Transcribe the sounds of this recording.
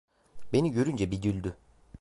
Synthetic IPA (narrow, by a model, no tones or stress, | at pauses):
be̞niɟø̞ɾynd͡ʒɛbiɟylʲd̪y